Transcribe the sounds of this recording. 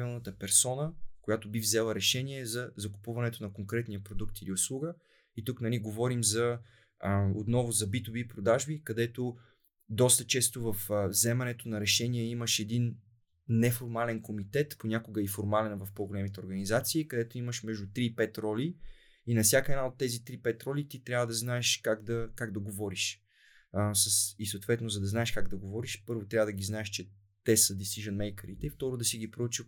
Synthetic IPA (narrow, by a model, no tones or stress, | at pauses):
pvilˠnət̪əpɛɾsɔnəkojat̪obivzɛlˠəɾɛʃɛniɛzɐzɐku̥puvɐnɛt̪onɐkoŋkɾɛt̪nijɐpɾod̪ukt̪iliʊslˠuɡə | it̪uknɐliɡovɔɾimzɐ | o̰t̪nɔvʊzɐbit̪ubipɾod̪aʒbikɐd̪ɛt̪o | d̪ɔst̪ət͡ʃɛst̪ovəfvzɛmɛnɛt̪onɐɾɛʃɛniɛiməʃɛd̪in | nɛfoɾmalɛnkomit̪ɛt̪ponʲakʊɡəifoɾmalɛnvɐfpoɡolɛmit̪ɛoɾɡɐnizat̪siːkɐd̪ɛt̪oiməʃmɛʒd̪ʊt̪ɾiːpɛt̪ɾɔli | inɐfsʲjakəɛdnaot̪ːɛzit̪ɾipɛt̪ɾɔlit̪it̪ɾʲjavəd̪ɐznaɛʃkaɡd̪ɐkaɡd̪ɐɡovɔɾiʃ | səsisoʊt̪vɛt̪nozɐd̪ɐznaɛʃkaɡd̪ɐɡovɔɾiʃpɤɾvot̪ɾʲavəd̪ɐɡiznaɛʃt͡ʃɛ | t̪ɛsəd̪isiʒənmɛjkəɾit̪ɛift̪ɔɾod̪ɐsiɡipɾout͡ʃə